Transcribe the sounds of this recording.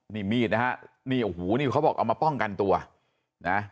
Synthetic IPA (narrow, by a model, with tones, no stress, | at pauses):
niː˧˥˩miː˥˩t̪̚na˦˥a˦˥ʔ | niː˧˩ʔu˨huː˩˦niː˥˩kʰa˦˥wbɔː˨˩kʔa̰˧wmaː˧pɔ˥˩ŋka˧nt̪u˧ɐ | na˦˥